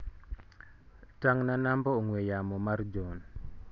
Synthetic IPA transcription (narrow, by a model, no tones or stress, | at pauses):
taŋnanambɔoŋwejamɔmaɾd͡ʒɔn